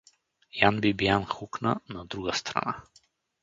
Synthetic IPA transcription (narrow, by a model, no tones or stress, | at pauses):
janbibijanxukna̰nad̪ɾuɡast̪ɾa̰na̰